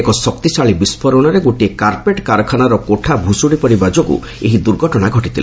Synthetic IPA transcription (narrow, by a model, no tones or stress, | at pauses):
ekɔsɔk̚t̪isaɭibispʰɔɾɔɽ̃ɔɾeɡoʈiekaɾpeʈkaɾɔkʰanaɾɔkoʈʰabʱusuɽipɔɾibad͡ʒoɡṵ | eɦid̪uɾɡʱɔʈɔɽ̃aɡʱɔʈit̪ʰile